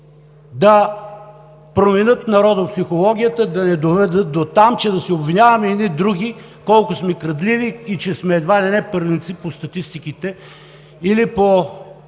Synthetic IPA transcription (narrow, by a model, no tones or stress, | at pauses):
d̪ɐ | pɾomɛnɤt̪nɐɾɔd̪əpsixolˠɔɡ̟ʲijət̪əd̪ɐnɛd̪ovɛd̪ɤt̪̚d̪ot̪amt͡ʃɛd̪ɐsɛobvinʲavɐmɛid̪nid̪ɾuɡi | kɔlˠkʊsmɛkɾɐd̪liviːt͡ʃɛsmɛːd̪vanɛnɛpəɾvint̪sipost̪ɐt̪ist̪ikit̪ɛ | ilipo